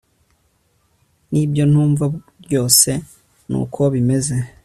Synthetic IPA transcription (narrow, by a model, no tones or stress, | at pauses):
nibjo̞n̥huːɱva | jo̞ːse̞ | nṵkʰo̞βime̞ze̞